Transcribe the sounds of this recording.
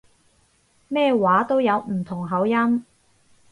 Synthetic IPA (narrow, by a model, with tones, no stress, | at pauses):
mɛː˥waː˨˥t̪o˥wjɐ˨˧wm̩˨˩t̪ʰʊ˨˩ŋɦɐ˨˥wjɐ˥m